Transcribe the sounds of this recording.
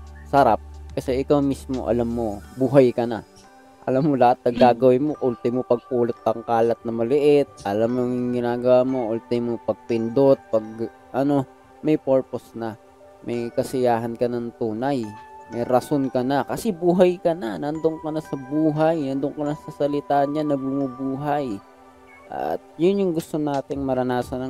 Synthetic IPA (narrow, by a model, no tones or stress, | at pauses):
sɐɾap̚kɐsɛʔɪkawmismo̞̰ʔɐ̰lamːo̞buːɦɐjkɐna̰ | ʔɐ̰lamːolɐhat̪̚nɐɡaːɡɐwɪnmo̞ʔʊlt̪ɪmopɐɡ̚puːlɪt̪̚ːɐŋkaːlɐt̪̚nɐmɐlɪʔɪt̪̚ʔɐlamːoŋɪŋɡɪnaːɡɐwamoʔʊlt̪ɪmopɐɡ̚pɪnd̪ot̪̚pɐɡ̚ | ʔɐno̞ | mɐjpoɹpo̞snɐ | mʔɐjkɐsɪjaːɦɐnkɐnɐŋt̪uːnɐjmɐjɾɐso̞nkɐnɐkɐsɛbuːɦɐjkɐnanɐnd̪oŋkɐnasɐbuːɦajnɐnd̪oŋkɐnasɐsɐlɪt̪aːʔnanːɐbʊmubuːɦaj | ʔɐ̰t̪̚jʊnjʊŋɡʊst̪o̞naːt̪ɪŋmɐɾɐnaːsɐnɐ